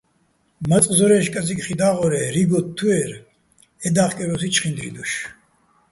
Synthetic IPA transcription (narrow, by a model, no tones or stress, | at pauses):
mat͡sʼzɔɾɛːʃkʼazikχid̪aːʁɔɾɛɾiɡɔt̪ʰːuɛɾ | ɛd̪aːχkʼɛɾɔsit͡ʃʰχind̪ɾḭd̪uʃ